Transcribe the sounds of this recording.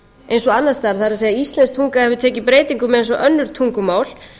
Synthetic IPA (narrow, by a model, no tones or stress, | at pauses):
ejnsɔɣanːast̪aɾ̥θaɾɪseːjðaist̪lɛnst̪ʰuŋkahɛvʏt̪ʰɛːcɪpɾeːjt̪iŋkʏmːɛðejnsɔʔœnːʏɾ̥t̪ʰuŋkʏmaːwl̥